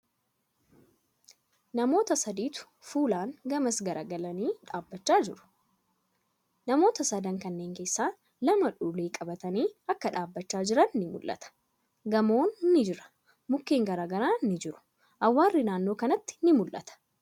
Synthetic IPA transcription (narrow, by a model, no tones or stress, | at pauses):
nɐmo̞ːt̪ɐsɐd̪iːt̪ʊ̥ | fuːlaːŋɡɐmɐsɡɐɾʔaːɡɐlɐniːᶑaːbːɐt͡ʃːaːd͡ʒɪɾʊ̥ | nɐmo̞ːt̪ɐsɐd̪ɐŋkɐnːe̞ːŋke̞ːsːaː | lɐmɐᶑuːleːkʼɐbɐt̪ɐniːɐkːɐᶑaːbːɐt͡ʃːaːd͡ʒɪɾɐnːɪmʊ̰lʔɐ̰t̪ɐ̥ | ɡɐmo̞ːnnːɪd͡ʒɪɾɐ̥ | mʊkːeːŋɡɐɾaːɡɐɾaːnːɪd͡ʒɪɾʊ̥ | ʔɐwːaːrːɪnaːnːo̞ːkɐnɐt̪ːɪ̥nɪmʊlʔɐ̰t̪ɐ̥